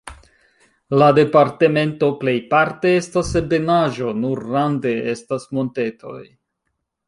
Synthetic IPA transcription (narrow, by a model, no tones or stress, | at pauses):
lade̞paɾte̞me̞nto̞ple̞jpaɾte̞e̞stasebenaʒo̞nuɾːande̞estasmo̞nte̞tʰo̞̰j